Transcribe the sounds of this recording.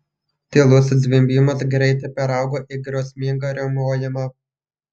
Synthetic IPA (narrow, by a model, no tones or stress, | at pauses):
t̪ʲeːlˠʊszʲʋʲimʲbʲɪmɐsɡɾʲɛɪt̪ɐɪpʲɛɾɑˑʊɡoːʔiɡɾɐʊsʲmʲɪŋɡɐɾʲɛmoːjʲɪmɑ